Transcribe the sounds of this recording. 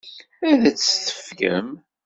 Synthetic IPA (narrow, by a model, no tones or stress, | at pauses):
æðæt͡sːθə̥fkə̰m